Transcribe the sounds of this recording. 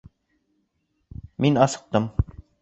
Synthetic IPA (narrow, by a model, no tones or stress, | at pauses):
minɑsɤ̥̆q̚t̪ɤm